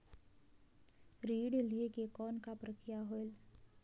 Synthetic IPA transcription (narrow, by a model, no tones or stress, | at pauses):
ɾiːɽlekekɔːnkapɾəkɾɪjaɦoel